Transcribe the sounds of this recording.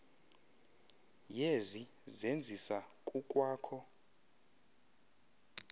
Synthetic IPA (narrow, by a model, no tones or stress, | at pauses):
jezi | zend͡zʱisakʼukʼwaːkʰɔ